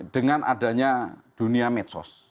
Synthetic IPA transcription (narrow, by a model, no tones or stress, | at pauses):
ɖ̥əŋanʔa̰da̤ɲad̥ṳniamɛt̪sɔ̰s